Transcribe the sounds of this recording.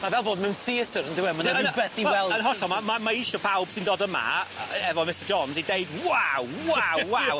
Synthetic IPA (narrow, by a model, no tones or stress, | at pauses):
mavɛlˠboːdmɛ̃nθiətʰəɾəndɪwɛmənəbɛdiwɛlˠənɦɔɬɔmamamaiʃɔpʰawb̥sɪ̃ndoːdəma̰ɛvɔmɪsəd͡ʒɔnzidejdwawwawwaw